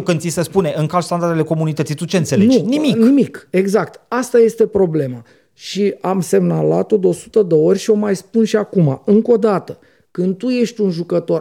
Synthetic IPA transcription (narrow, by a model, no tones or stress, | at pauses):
kɨnd̪isespune̞ʔɨŋkalst̪and̪ard̪eleko̞munit̪ət̪sit̪ut͡ʃe̞nselend͡ʒniminimike̞ɡzak̚t̪ast̪aje̞st̪epɾo̞ble̞ma | ʃiamse̞mnalat̪o̞d̪eo̞su̥t̪əd̪eo̞rʲʃio̞majspunʃiakuma̰ɨŋko̞d̪at̪ə | kɨnd̪̚t̪uje̞ʃt̪ʲunʒukət̪o̞r